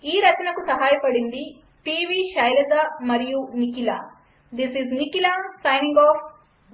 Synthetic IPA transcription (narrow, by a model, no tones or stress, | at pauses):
iːɾɐt͡ʃɐnɐkusɐɦaːjɐpɐɽind̪i | piːʋiːʃɐjlɐd̪amɐɾijunikila̰ː | d̪isiznikilasɐjnĩŋɡɔːf